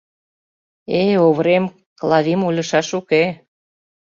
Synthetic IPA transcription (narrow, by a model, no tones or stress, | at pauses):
eoβɾem | klˠɑðimulʲɤ̆ʃɑʃuke